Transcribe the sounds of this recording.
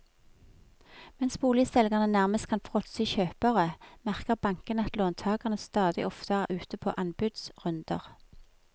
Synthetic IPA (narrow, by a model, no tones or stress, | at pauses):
mɛnsb̥uːlɪsɛlɡɑʁnənæʁməst̪kʰɑnfʁɔt̪siçøːpəʁəmæʁkəʁbɑŋkənəɑt̪loːnt̪ʰɑːɡɑʁnəst̪ɑːd̪ɪ̰ʔɔft̪ʰəʁʉːt̪əpʰo̰ːʔɑnbʉd̪sʁʉnd̪̥ə̰ʁ